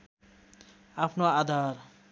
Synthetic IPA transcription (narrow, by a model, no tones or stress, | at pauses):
apʰnoad̪ʱaɾ